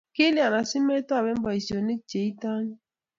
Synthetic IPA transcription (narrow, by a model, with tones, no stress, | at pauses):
ke˦li˦a˨na˨si˦me˦ta˦˨be˦m˦ba˨i˨so˨ne˦t͡ʃe˨i˦ta˦ɲ˦